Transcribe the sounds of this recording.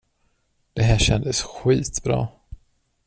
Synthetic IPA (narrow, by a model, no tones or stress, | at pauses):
d̪̥ɛɦæːɕɛnd̪əsɧiːt̪bɾɑ̰ː